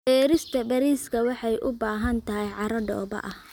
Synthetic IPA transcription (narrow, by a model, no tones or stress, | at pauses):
ɛːɾɪst̪ʰɐbɐɾiːskʰɐwɑħɑjʔʊbaːɦɐnt̪ʰɐɦɛjʕɑɾɐɖɔ̰ːbɐ̰ʔɐh